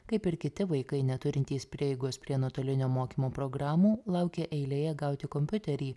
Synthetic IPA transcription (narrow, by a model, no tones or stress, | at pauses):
kɐɪpɪɾkʲɪt̪ʲɪʋɐɪkɐɪnʲɛt̪ʊɾʲɪnʲt̪ʲiːspʲɾʲiɛjɛɪɡoːspʲɾʲiɛnoɔt̪oːlʲɪnʲoːmoːkʲiːmoːpɾoːɡɾɑːmuːlˠɐʊkʲeːʔɛɪlʲeːjɛɡɐʊt̪ʲɪkɔmʲpʲʊt̪ʲɛɾʲiː